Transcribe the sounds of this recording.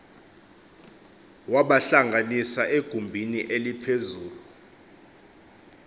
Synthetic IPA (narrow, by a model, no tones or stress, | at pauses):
waɓaɬaŋɡʱanisaʔeɡ̥ʱumbʱiniʔelipʰezuːlu